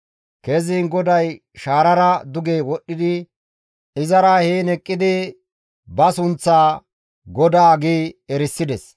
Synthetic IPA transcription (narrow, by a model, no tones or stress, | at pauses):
kɛziːnɡɔd̪ɐj | ʃaːɾɐɾɐd̪ʊɡeːwɔɗːɪd̪ɪ | ɪzɐɾɐheːnɛkʼːɪd̪ɪ | bɐsʊnt͡sːaː | ɡɔd̪aːɡiːɛɾɪsːɪd̪ɛs